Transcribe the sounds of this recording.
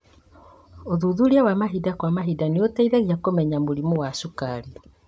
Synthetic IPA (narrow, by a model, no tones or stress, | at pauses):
oðuðuɾiawamaɦidakwamaɦidaneotaiðaɣiakomɛɲamoɾimowasukaɾi